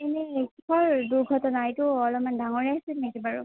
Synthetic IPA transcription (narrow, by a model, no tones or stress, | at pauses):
enɛkikʰɔɹduɹɡʱɔtɔnaajtʊɔlɔmandaŋɔɹiasɛnɛkɛbaɹɔ̰